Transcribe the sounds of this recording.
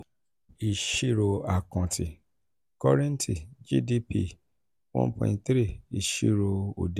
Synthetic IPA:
i˨ʃi˦˨ɾo˧a˨kɔ̃˨tʰi˨ | kɔ˦ɾɛ̃˦n˦ti˨d͡ʒi˦di˦pi˧ | wɔ̰̃˦pɔ̰̃˧˨tɾi˦˨i˨ʃḭ˦˨ɾo˧o̰˨de˦

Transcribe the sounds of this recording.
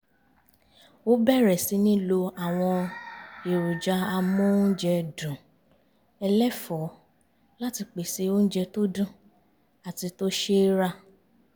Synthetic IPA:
o˦bɛ˦˨ɾɛ˨si˨˧˦nĩ˦lo˧a˨w̃ɔ̃˧e˨ɾu˨d͡ʒa˧˦a˧mũ˦n̩˦d͡ʒɛ˧dũ˨ | ɛ˧lɛ˦fɔ˨˦ | la˦ti˧k͡pe˨se˧o˦n̩˦d͡ʒɛ˧to˦dũ˦ | a˨ti˧to˦ʃe˦ɾa˦˨

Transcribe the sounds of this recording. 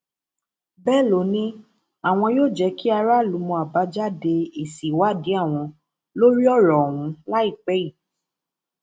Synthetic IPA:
bɛ˦˨lo˨nĩ˦ | a˦˨w̃ɔ̃˧joː˦˨d͡ʒɛ˧˦ki˦a˧ɾa˦˨lu˨˧˦mɔ̃˧a˨ba˨˦d͡ʒa˦de˧e˨si˨wa˨˦˨di˨˦a˦˨w̃ɔ̃˧ | lo˦ɾi˦ɔ˦˨ɾɔ˨wũ˨˦la˦i˦˨k͡pɛ˨˦i˦˨

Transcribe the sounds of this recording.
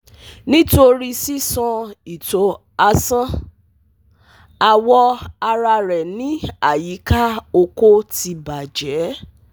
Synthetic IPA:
nĩ˦to˧ɾi˧si˦sɔ̃˧i˨to˨ | a˧sã˦ | a˧wɔ˧a˧ɾa˧ɾɛ˨nĩ˨˦a˦˨ji˨˦ka˦o˧ko˦ti˧ba˨d͡ʒɛ˨˦

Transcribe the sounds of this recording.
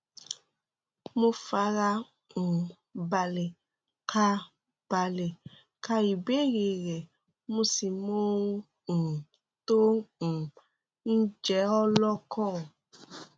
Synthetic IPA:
mõ˦fa˨˦ɾa˧ | ŋũ˨ | ba˨le˨ | kʰa˧ | b̥a˨le˨ | ka˧i˨be˦ɣe˨ɣɛ˨ | mũ˦si˨mõ˦ | ŋ̩̃˨ | t̪o˦ŋ̩̃˨ | n̩˦d͡ʒɛ˨˦ɔ˦lɔ˦kʰɔ̃˦˨

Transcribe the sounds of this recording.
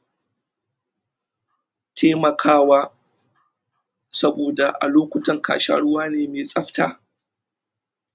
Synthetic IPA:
tʰeː˦mɐ˨kʰaː˦waː˦ | sɐ˦boː˨da˨ʔa̰˨loː˦kʷʊ˨tɐ˨ŋka̰ː˨ʃa̰˦ɽʊ˦waː˦neː˨meː˨sʼɐ˦ɸta̰ː˨

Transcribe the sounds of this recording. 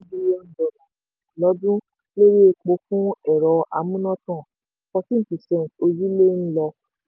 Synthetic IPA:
bi˦je˦n̩˨dɔ˨nɔ̃˨ | lɔ˨˦dũ˦ | le˦ɾi˦e˧k͡po˨˦fũ˦ɛ˨ɾɔ˧˦ʔa̰˧mũ˦nɔ̃˦tã˦˨ | kɔ˧sĩ˦n̩˦˨ti˨sɛ̃˨to˧d͡ʒi˦le˦ñ̩˦lɔ˧

